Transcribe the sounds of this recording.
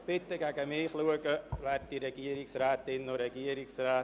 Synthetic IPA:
b̥ɪt̪əɡæɡəmɪːχluəɡəvæd̚diɾɛɡ̥iəɾɪksræːt̪ɪnːoɾɛɡiəɾɪksraː

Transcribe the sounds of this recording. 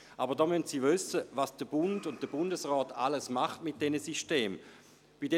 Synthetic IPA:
ʔabəʁdɔːmyntsiːvʏsəvasd̥əb̥ʊndʊnt̚d̥əbʊndəsʁɔːtʰa̰ləsmaχtmɪt̚d̥ɛnəsiʃteːm | b̥idɛ

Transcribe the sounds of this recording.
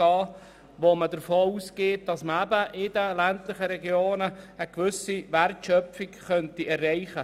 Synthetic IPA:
ɑː | ʋomədəɾfoːuːsɡeːt̚d̥ɑsməæbəʔɪdəlæntlɪχəɾɛɡjoːnəəːkʋʏsiʋæɾtʃœfɪkχœntiʔɛrːɛɪχə

